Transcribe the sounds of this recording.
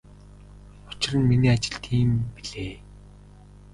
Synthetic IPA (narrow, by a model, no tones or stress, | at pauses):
ʊt͡ɕɪ̆rə̆nminiːat͡ɕɪ̆ɬt̪ʰiːmpiɮeː